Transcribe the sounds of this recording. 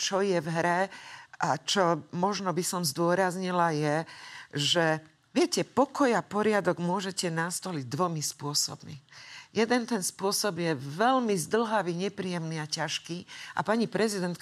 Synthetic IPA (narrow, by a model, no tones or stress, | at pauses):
t͡ʃɔjɛvɦɾɛʔat͡ʃɔmɔʒnɔbisɔmzd̪ʊɔɾazɲilajɛ | ʒɛ | ʋɪɛcɛpɔkɔjapɔɾɪad̪ɔɡmʊɔʒɛcɛnast̪ɔliɟd̪ʋɔmispʊɔsɔ̰bmḭjɛd̪ɛnt̪ɛnspʊɔsɔbjɛʋɛlmizd̪l̩ɦaʋiɲɛpɾiːjɛmniacaʃkiːʔa̰paɲipɾʔɛzid̪ɛnt̪̚k